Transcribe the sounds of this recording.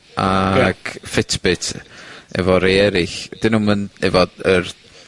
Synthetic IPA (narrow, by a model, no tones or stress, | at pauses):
ʔaɡ̥fɪtʰb̥ɪtʰɛ̰vɔɾejɛɾɪxd̥ɪnuːmənɛvɔər